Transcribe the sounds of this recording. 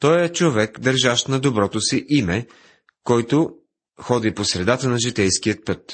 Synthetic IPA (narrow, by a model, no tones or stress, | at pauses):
t̪ɔjɛt͡ʃovɛkd̪ɐɾʒaʃnɐd̪obɾɔt̪osiʔimɛ | kɔjt̪o | xɔd̪iposɾɛd̪at̪ənɐʒit̪ɛjsk̟iət̪̚pɤt̪